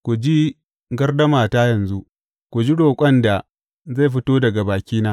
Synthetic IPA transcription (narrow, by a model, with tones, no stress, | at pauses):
kʷu˨d͡ʒi˦ | ɡɐ˦rdɐ˦maː˨taː˦jɐ˨nzu˦ʔ | kʷu˨d͡ʒi˦ɽoː˨kʷʼɐ˦nda˨ | za˦˨jɸ̬ɪ˦toː˦dɐ˨ɡa˨baː˨kʲiː˦naː˦